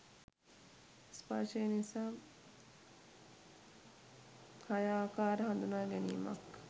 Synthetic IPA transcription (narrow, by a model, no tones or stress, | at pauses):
spaʃəjənisaː | hajaːkaːɾəɦand̪unaːɡɛnḭːma̰k